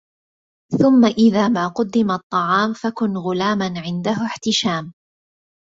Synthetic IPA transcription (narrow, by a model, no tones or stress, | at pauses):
θʊmːaʔɪðaːmaːqʊd̪ːɪmat̪ˤːɑʕɑːmfakʊnɣʊlaːmanʕɪnd̪aɦʊħt̪ɪʃaːm